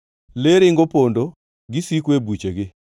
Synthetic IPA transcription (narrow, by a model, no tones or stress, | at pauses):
leɾɪŋɡopondo | ɡɪsikwebut͡ʃeɡɪ